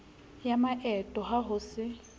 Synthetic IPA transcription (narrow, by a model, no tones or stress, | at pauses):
jamaʔɛtʼɔɦaɦʊsɪ